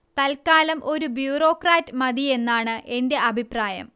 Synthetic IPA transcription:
t̪ɐlkaːlɐmʔo̞ɾubjuːro̞ːkraːtːɨmɐðie̞nːaːɳɨʔe̞nde̞ʔɐbʱipraːjɐ̰m

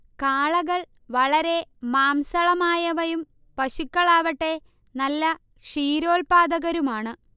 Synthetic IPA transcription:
kaːɭɐɣɐɭ | ʋɐɭɐɾe̞maːmsɐɭɐmaːjɐʋɐjum | pɐɕukːɐɭaːʋɐʈːe̞ | nɐlːɐ | kʂiːɾoːlpaːd̪ɐɣɐɾumaːɳɨ

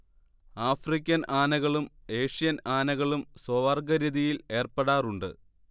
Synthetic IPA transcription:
aːfrik̬ʲːɐnaːnɐɣɐɭume̞ːʂijɐnaːnɐɣɐɭumswoʋɐrɡɐɾiðijile̞ːrpeɽaːruɳɖɨ̰

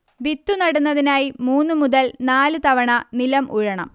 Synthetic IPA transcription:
bit̪ːunɐɽunːɐðinaːjimuːnːumuðɐlnaːlɨt̪ɐʋɐɳɐnilɐmʔuɻɐɳɐ̰m

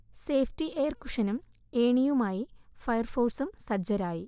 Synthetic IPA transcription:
seːfʰʈiʔeːrku̥ʂɐnɐm | eːɳijumaːjifɐjɐrfo̞ːrsumsɐd͡ʑɐɾaːji

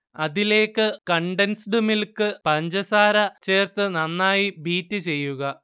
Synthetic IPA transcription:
ɐðile̞ːkːɨkɐɳɖensɖɨmilkɨpɐɲd͡ʑɐsaːɾɐt͡ɕe̞ːrt̪ɨnɐnːaːjibiːtːɨt͡ɕe̞jːuɣɐ

